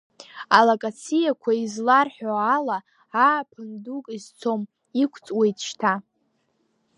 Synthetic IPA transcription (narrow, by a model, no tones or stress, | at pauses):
alakʼat͡sʰijakʷʰaizlarħoala | aːpʰɨndukʼizt͡sʰo̞m | ikʷʰt͡sʼwejtʰʃtʰa